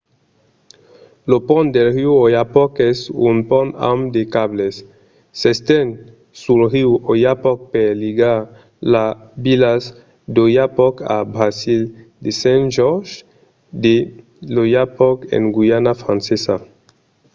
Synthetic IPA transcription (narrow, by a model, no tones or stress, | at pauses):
lopɔnd̪elɾiwojapɔkɛsunpɔna̰md̪ekaβlesː | est̪ɛn | suɾʁiwojapɔk̚peɾliɡaɾ | labilas | d̪ojapɔka̰bɾasild̪esɛ̃nʒɔɾʒ | d̪e | lojapɔkḛŋɡwuanafɾãnsesa